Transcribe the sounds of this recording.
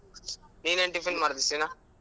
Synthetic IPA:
nineɳʈifinmɐɾd̪isina

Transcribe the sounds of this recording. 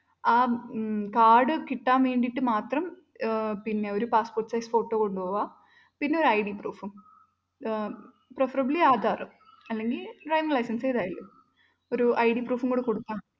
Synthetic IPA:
aːkaːɽɨkiʈːaːnʋe̞ːɳɖiʈːɨmaːt̪rɐm | pinːe̞o̞ɾupaːsporʈːsɐjsfo̞ːʈːoːko̞ɳɖupo̞ːʋaː | pinːe̞o̞ɾuɐjɽipruːfum | prefɐrɐbliaːd̪ʱaːrɨm | ɐlːe̞ŋɡilɖrɐjʋiŋlɐjsɐnsejðaːjilːu | o̞ɾuʔɐjɖipruːfuŋɡoɖɨkoɽuk̪ːaː

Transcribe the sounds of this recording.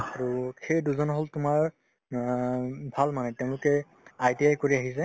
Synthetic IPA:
aɹuxejduzɔnɔɦoltʊmaɹ | bʱalmanɛtɛʊ̃lʊkɛ | ajdiajkoɹiaɦisɛ

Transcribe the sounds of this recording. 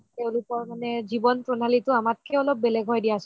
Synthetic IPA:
tɛʊ̃lʊpɔɹmanɛzibɔnpɹonalitʊamat̚kʰɛɔlɔp̚belɛɡʱɔjdijasɔ

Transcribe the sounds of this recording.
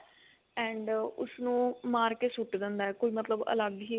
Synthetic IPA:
ɛ̃ːɳɖʊ̰snũːmaːɾkeːsʊʈd̪ɪnd̪aːɛːkoiːmət̪ləbə̰ləɡɦiː

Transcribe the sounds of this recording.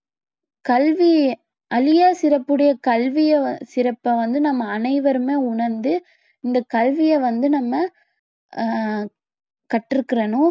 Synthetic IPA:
kɐlʋi | ʔɐlɪjaːsɪɾɐpːɯɽɐjɐkɐlʋɪjɐsɪɾɐpːɐʋɐnd̪ɯnɐmːɐːnɐɪʋɐɾɯmeːʊɳɐɾnd̪ɯ | ɪnd̪ɐkɐlʋɪjɛʋɐnd̪ɯnɐmːɐ | kɐʈːɪɾɯkːɪɾɐnʊ̃

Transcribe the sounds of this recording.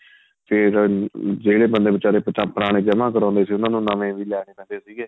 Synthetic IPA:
pʰɪɾd͡ʒeːɽeːbənd̪eːbət͡ʃaːɾeːpət͡ʃaːpəɾaːɽ̃eːd͡ʒəmãːkəɾãːnd̪eːsiːʊnãːnũːnãːmẽːʋiːlɛːɽ̃eːʋɛ̃ːnd̪eːsiːɡɛː

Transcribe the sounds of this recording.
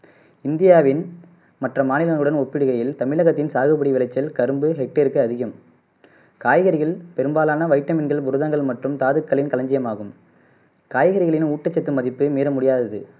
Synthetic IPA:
ɪnd̪ɪjaːʋɪn | mɐʈrɐmaːnɪlɐŋɯɽɐnɔpːɪɽɯɣɐjɪlt̪ɐmɪlɐɣɐt̪ːɪnsaːɣɯbɐɽiʋɪlɐɪt͡ʃːɐlkɐɾɯmbɯɦɛk̚ʈɐɾɯkːɯɐðɪɣɯm | kaːjɣɐɾɪɣɐɭpɛɾɯmbaːlaːnɐʋɐɪʈːɐmɪnɡɐɭbʊɾɯðɐŋɡɐɭmɐʈrɯmt̪aːðɯkːɐɭɪnkɐlɐɲd͡ʒɪjɐmaːɣɯm | kaːjɣɐɾɪɣɐɭɪnuːʈːɐt͡ʃːɐt̪ːɯmɐðɪpːɯmiːɾɐmʊɽɪjaːðɐðɯ

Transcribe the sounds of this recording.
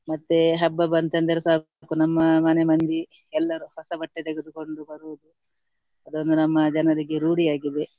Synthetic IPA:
mɐt̪ːeɦɐbːɐbɐnɐnd̪ɐɾesaː | kunɐmːɐmɐnemɐnd̪i | ɛlːɐɾuhɔsɐbɐʈːet̪eɡed̪uko̞ɳɖubɐɾuʋud̪u | ɐd̪ond̪unɐmːɐd͡ʒɐnɐɾiɡeɾuːɽijaːɡid̪e

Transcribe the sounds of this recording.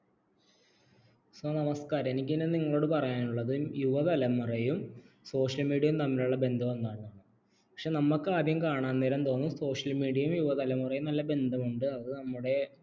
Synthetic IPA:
sɐːnɐmɐskaːɾɐenikʲːinɨniŋːɐɭo̞ːɽɨpɐrɐjaːnuɭːɐðɨmjuʋɐðɐlɐmurɐjum | so̞ːʂɐlmiːɽijɐjumnɐmːɐɾuɭːɐbe̞nd̪ʱɐme̞nd̪aːɳːaːɳɨ | pɐ̥kʂeːnɐmːɐkːɨaːd̪ʱjɐmkaːɳaːnːeːɾɐnt̪o̞ːnːuso̞ːʂɐlmiːɽijɐjumjuʋɐd̪ɐlɐmurɐjumnɐlːɐbe̞nd̪ʱɐmuɳɖɨɐðɨnɐmːuɽe̞

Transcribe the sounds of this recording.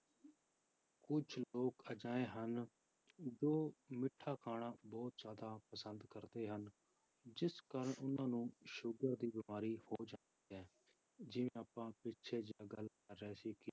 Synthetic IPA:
kʊt͡ʃʰloːkəd͡ʒaːeːɦən | d͡ʒoːmɪʈʰːaːkʰaːɳãːbɔːt̪zjaːd̪aːpəsənd̪kəɾd̪eːɦən | d͡ʒɪskəɾʊnãːnũːʃʊɡəɾd̪iːbɪmaːɾiːhoːd͡ʒãːnd̪iːɦɛː | d͡ʒɪʋẽːaːpãːpɪtːʃʰeːd͡ʒaːɡəl | əɾːɛːsiːkɪ

